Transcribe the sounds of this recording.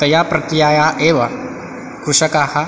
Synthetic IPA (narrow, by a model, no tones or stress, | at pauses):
t̪ɐjaːpɾɐt̪ɾijaːjaʔeːʋɐ | kɾuʂɐkaːhɐ